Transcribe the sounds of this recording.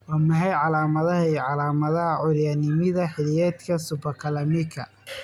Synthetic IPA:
wɑːmɐɦɛjʕɑlaːmɐðɐɦɐiʕɑlaːmɐðɐhɐʕʊɾjanɪmɪðɐħɪlɪjɛːt̪kʰɐsʊbɐkʰɐlɐmɪkʰɐ

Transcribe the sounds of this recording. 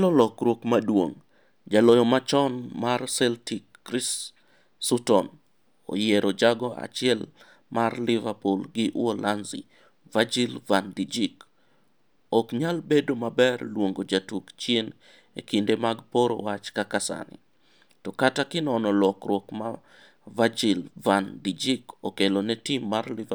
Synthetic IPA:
lɔlɔkɾwokmadwo̰ŋ | d͡ʒalɔjɔmat͡ʃɔnmarsɛltikːɾisː | utɔn | o̰jeɾod͡ʒaɡɔa̰t͡ʃɪɛl | marlɪvapulɡɪʔwolʔanzḭ | vad͡ʒilvandid͡ʒik | okɲalbedomabɛrlwoŋɡod͡ʒatukt͡ʃjen | ḛkindemaɡpoɾo̰wat͡ʃkakasa̰nɪ̰ | tɔkatakɪnɔnɔlɔkɾwɔkma | vad͡ʒilvandid͡ʒikokelonɛtimːarliv

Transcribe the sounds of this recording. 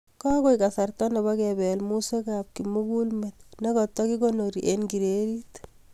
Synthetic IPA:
kɔkojkasartɔneβakɛbɛlmusekap̚kimukulmet̪̚nekɔt̪ːɔkikonoɾiʔenɡiɾeɾit

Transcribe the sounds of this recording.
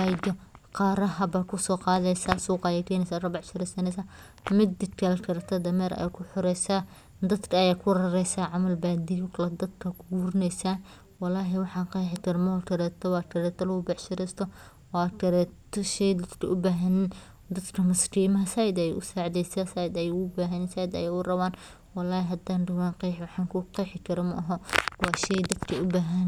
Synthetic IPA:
ɑjdɔqɑːɾɐɦɐbaːkʰʊsɔːqɑːðɛjsaːsuːqɑjɐkʰɛːnɛsaːrɐbɑʕʃɪɾɛsɐnɛsa | mɪd̪ːɪt̪kʰɐlkʰɐɾt̪ʰɐd̪ɐmɛːɾɐ̰jakʰʊħʊɾɛjsaː | d̪ɐd̪kʰɐːjaːkʰʊrɐɾɛjsaːʕɑmɐlbaːd̪ijkʰlɐd̪ɐd̪kʰɐkʰʊɡuːɾɪnɛjsaː | wɑlɑːɦɛwɑħɑːqɑħɪkʰɐɾmɔt̪ʰɐɾɛːt̪ʰɔwɑːʈʰɐɾɛːt̪ʰɔlɐʊbɑʕʃɪɾɛst̪ʰɔ | wɑːtʰɐɾɛːt̪ʰːɔʃɛjd̪ɐd̪kʰɐʊbaːɦɐnn | d̪ɐd̪kʰɐmɐskiːmɐɦɐsaːjɪd̪ɐjɛ̰ʔʊsaːʕd̪ɛjsaːsajɪd̪ɐjɛʊbaːɦɐnɪnsaːjɪd̪ɐ̰jɛːʊrɐβaːn | wɑlːɑːhɪɦɐd̪aːnɖɪwaːnqiːħwɑħɑːŋkʰʊqɛjħɪkʰɐɾɐmɐʔɐɦɔwɑːʃɛjd̪ɐd̪kʰɐʊbaːɦɐn

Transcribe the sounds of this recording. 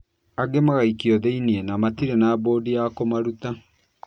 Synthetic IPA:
aɡemaɣaikiɔðeiniɛnamatiɾenaːboːdijakomaɾuta

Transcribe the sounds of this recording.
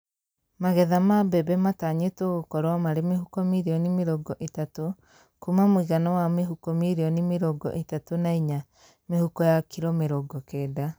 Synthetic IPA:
maɣɛðamabɛbɛmataɲetoɣokɔɾwamaɾemeɦukɔmiɾiɔnimeɾɔɡɔʔetato | kumamowiɣanɔwameɦukɔmiɾiɔnimeɾɔɡɔ̰ʔetatonaiɲa | mehukɔjakʰiɾɔmeɾɔɡɔkɛːda

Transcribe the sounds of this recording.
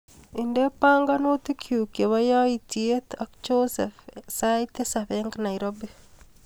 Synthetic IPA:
indepaŋɡanot̪ikʰjukewajaitiet̪ak̚d͡ʒosefsajt̪esaβɛŋɡnaiɾobi

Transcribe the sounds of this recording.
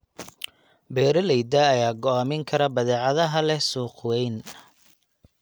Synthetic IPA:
bɛːɾɐlɛjd̪ɐːjaːɡɔaːmɪŋkʰɐɾɐbɐðɛːʕɑðɐɦɐlɛsuːqwɛjn

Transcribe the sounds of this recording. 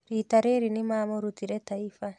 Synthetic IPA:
ɾiːtaɾeɾinimamoɾutiɾɛtaifa

